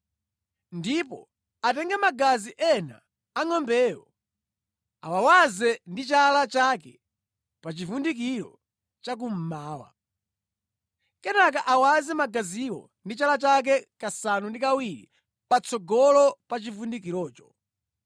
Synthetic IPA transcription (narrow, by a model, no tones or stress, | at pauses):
ndipɔ | atɛŋɡɛmaɡaziʔɛna̰ː | ŋɔmbɛːwɔ | a̰wawazɛndit͡ʃalat͡ʃakɛ | pat͡ʃivundikiɾɔ̰ | t͡ʃak̬um̩maːwa̰ | kɛnakaʔawazɛmaɡaziwɔ̰ | ndit͡ʃalat͡ʃak̬ɛkasanundikawiɾḭ | pat͡sʰɔɡɔlɔpat͡ʃivundikiɾɔːt͡ʃɔ̥